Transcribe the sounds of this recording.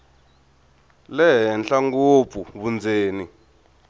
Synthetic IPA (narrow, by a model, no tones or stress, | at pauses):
lɛɦɛnɬaŋɡop̪fuβund͡zeːni